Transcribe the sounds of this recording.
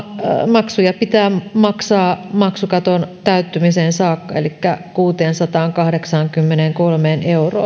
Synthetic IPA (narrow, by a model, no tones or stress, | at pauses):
mɑksujɑpit̪æːmɑksɑːmɑksukɑt̪ont̪æyt̪ːymiseːnsɑːkːɑḛlikːækuːt̪eːnsɑt̪ɑːŋkɑhɾeksɑŋkymːeneŋkolmeːnʔeuro̰ː